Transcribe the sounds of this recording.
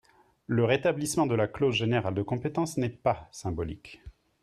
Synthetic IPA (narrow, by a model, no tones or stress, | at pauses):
ləʁet̪ablismɑ̃d̪əlaklozʒeneʁald̪əkɔ̃pet̪ɑ̃snɛpasɛ̃bɔlḭk